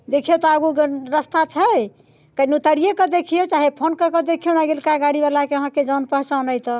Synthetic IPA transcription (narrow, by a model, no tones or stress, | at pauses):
d̪ekʰet̪ɔaɡuɡɾəst̪at͡ʃʰəj | kənut̪əɽijekəd̪ekʰijot͡ʃaɦepʰonkəkɔd̪ekʰijonaɡelkaɡaɽibalakeəɦãked͡ʒanpəɦt͡ʃanəjt̪ɔ